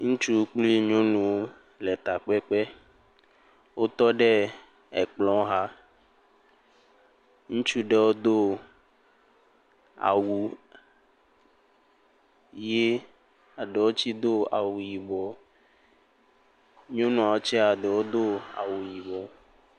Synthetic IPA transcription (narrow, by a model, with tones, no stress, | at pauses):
ŋũ˦t͡ʃu˦k͡pli˦ɲõ˦nũ˨wo˦ | lɛ˨t̪a˨k͡pɛ˦k͡pɛ˦ | wo˦t̪ɔ˦ɖe˦ | ɛ˨k͡plɔ̃˨˦ɦa˦ | ŋũ˦t͡ʃu˦ɖe˦wo˦d̪o˦ | a̰˨wu˨ | je˦ | a˨ɖe˨wo˦t͡ʃi˦d̪o˦a̰˨wu˨ji˨bɔ˨ | ɲõ˦nũ˨a˨wo˦t͡ʃɛ˦a˨ɖe˨wo˦d̪o˦a̰˨wu˨ji˨bɔ˨